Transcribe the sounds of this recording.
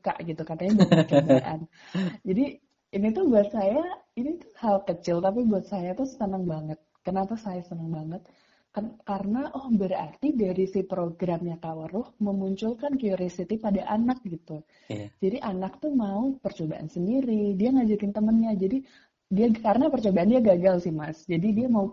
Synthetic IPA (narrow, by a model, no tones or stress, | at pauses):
ka̰ʔɡit̪ukat̪aɲabpət͡ʃobaʔa̰n | d͡ʒadi | init̪ubuat̪̚sajainit̪ʊ̥halkət͡ʃɪlt̪ap̬ibuat̪̚sajat̪ʊst̪ənəŋbaŋət̪̚kənapasajast̪ənəŋbaŋət̪̚ | kkaɾənaʔɔhbəɾa̰rt̪idaɾisipɾoɡɾamɲakawəɾʊhməmuɲt͡ʃʊlkankiuɾesit̪ipadaʔanak̚ɡit̪u | d͡ʒadiʔanak̚t̪umaupərt͡ʃobaʔa̰nsəndiɾidiaŋad͡ʒakɪnt̪əmənɲad͡ʒadi | diakaɾənapərt͡ʃobaʔandiaɡaɡalsɪhmasd͡ʒadidiamau